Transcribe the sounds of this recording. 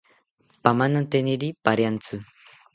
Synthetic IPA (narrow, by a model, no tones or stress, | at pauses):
pamanont̪eniɾipaɾjant͡sɨ